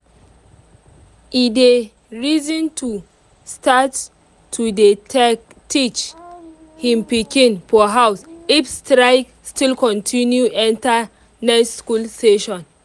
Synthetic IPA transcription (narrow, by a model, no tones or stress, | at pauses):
ide | ɹizɔ̃ntʰu | stʰat | tʰːude | tit͡ʃ | hĩmpikĩnpɔɦawsifstɹaɪk | stilkɔ̃ntʰĩnjuʔɛ̃nta | nɛsskulsteʃɔ̃n